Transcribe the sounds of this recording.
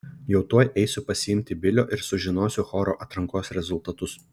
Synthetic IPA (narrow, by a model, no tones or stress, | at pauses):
jɛʊt̪uɔjʔɛɪsʲʊpɐsʲɪɪmʲt̪ʲɪbʲɪlʲo̰ːʔɪɾsʊʒʲɪnoːsʲʊxɔːɾoːʔɐt̪ɾɐŋkoːsɾʲɛzʊlˠt̪ɐt̪ʊs